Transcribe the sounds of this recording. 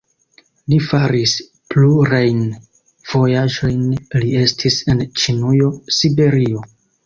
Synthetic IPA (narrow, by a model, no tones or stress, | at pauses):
lifaɾis | pluɾajn | v̥o̞jaʒo̞jnlie̞stʰise̞nt͡ʃinujo̞sibe̞ɾio̞